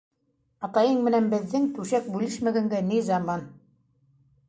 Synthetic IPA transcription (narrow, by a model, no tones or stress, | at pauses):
ɑt̪ɑjɤɴmɘ̆nænbɘ̆ðːɘŋt̪ʉʃæk̚bʉlɘʃmæɡæŋɡænizɑmɑn